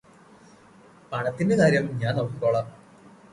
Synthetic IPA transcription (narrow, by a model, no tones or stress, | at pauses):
pɐɳɐt̪ːinde̞kaːɾjɐmɲaːnɐʋuikoːɭaːm